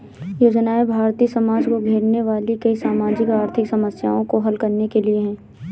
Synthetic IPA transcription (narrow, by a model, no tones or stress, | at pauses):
joːd͡ʒnaːebʱaːɾt̪iːsɐmaːd͡ʒkoɡʱeːɽneʋaːlikɐisaːmaːd͡ʒɪkaːɾt̪ʰɪksɐməsja̰ːõkoɦɐlkɐɾnekelieɦɛ̃ː